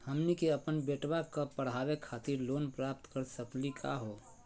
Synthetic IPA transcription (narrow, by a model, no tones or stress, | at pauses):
həmnikeəpənbeʈbakəpəɽɦawekʰat̪iɾlonpɾap̚t̪kəɾsəklikʰa̰ɦo